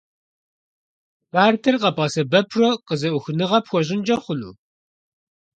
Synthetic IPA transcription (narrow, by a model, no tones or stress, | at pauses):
baːrtʰɐrqɐpʼɑsɐbɐpʰroqəzɐwʊxɨnɨʁɐpxʷɔʑɪnd͡ʒɐχʷʊlṵː